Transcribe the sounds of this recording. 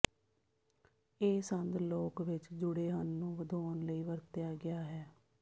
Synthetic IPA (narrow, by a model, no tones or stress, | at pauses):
eːsənd̪loːkʋɪt͡ʃd͡ʒʊɽeːɦənːũːʋəd̪oːnləiːʋəɾt̪ɪjaːɡɪjaːɦɛː